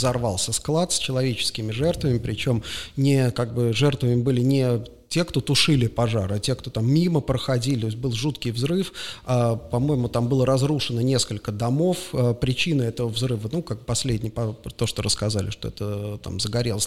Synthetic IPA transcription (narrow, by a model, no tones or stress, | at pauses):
zɐrvalˠsʲəsklˠat̪sʲt͡ɕɪlˠɐvʲet͡ɕɪ̥skʲɪmʲɪʐɛrt̪vəmʲɪpɾʲɪt͡ɕo̞mnʲɪkaɡ̚bɨʐɛrt̪vəmʲɪbɨlʲɪnʲɪ | tʲe̞kt̪o̞t̪ʊʂɨlʲɪpɐʐa̰ɾɐtʲe̞kt̪o̞t̪amːʲiməpɾəxɐdʲilʲɪt̪osʲbɨlˠʐut̪kʲɪjvzɾɨfapɐmo̞jɪmʊt̪ambɨlˠəɾɐzɾuʂɨnənʲe̞skəlʲkəd̪ɐmo̞fəpɾʲɪt͡ɕinəɛt̪əvəvzɾɨvənukaɡ̚bpɐsʲlʲedʲnʲɪjpɐt̪o̞ʂt̪oɾəskɐzalʲɪ̰ʂt̪oɛ̰t̪ət̪a̰mzəɡɐɾʲelˠəsʲ